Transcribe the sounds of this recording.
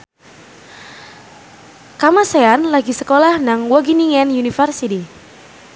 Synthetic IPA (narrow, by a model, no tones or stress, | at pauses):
kamaseanlaɡisəkolahnaŋwɔɡiniŋɛnjunifərsiti